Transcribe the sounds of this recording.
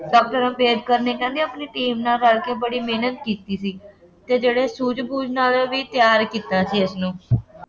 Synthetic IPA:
ɖɔːk̚ʈəɾãːpeːd̪kəɾneːkɛ̃ːnd̪eəpniːʈiːmnaːɾəːlkeːbəɽiːmeːnət̪kiːt̪iːsiː | t̪eːd͡ʒeːɽeːsuːd͡ʒbuːd͡ʒnãːleːʋiːt̪ɪjaːɾkiːt̪aːsiːɪsnũː

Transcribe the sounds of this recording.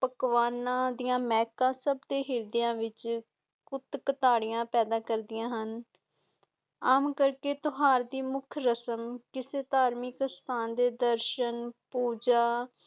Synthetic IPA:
pəkʋaːnãːd̪ɪjãːmɛːkãːsəbd̪eːɦɪɾd̪ɪjãːʋɪt͡ʃ | kʊt̪kət̪aːɽɪjãːpɛːd̪aːkəɾd̪ɪjãːɦən | aːmkəɾkeːt̪ʊɦaːɾd̪iːmʊkʰɾəsəmkɪseːt̪aːɾmɪkst̪ʰaːnd̪eːd̪əɾʃənpuːd͡ʒaː

